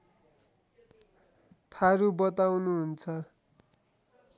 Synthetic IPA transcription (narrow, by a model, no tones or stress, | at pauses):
t̪ʰaɾubʌt̪awnuɦunt͡sʰʌ